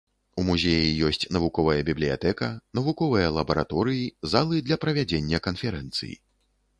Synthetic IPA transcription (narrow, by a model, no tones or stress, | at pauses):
umuzʲejijɔsʲt͡sʲnɐvukɔvɐjɐbʲiblʲija̰t̪ɛkɐnɐvukɔvɐjɐlˠɐbɐɾa̰t̪ɔɾɨjizalˠɨd̪lʲɐpɾɐvʲad͡zʲenʲːɐkɐnfʲɛɾɛnt̪sɨ̰jḭ